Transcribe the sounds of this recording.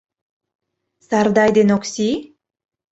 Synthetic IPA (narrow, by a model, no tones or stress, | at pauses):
sɑrd̪ɑjd̪enoksi